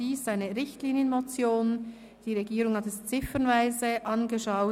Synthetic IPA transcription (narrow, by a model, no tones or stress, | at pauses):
iːsaɪnəʁɪçtliːnjənmot͡sjoːn | d̥iːʁeɡiːɾʊŋhɑtɛst͡sɪfənvaɪzəʔɑnɡəʃaʊ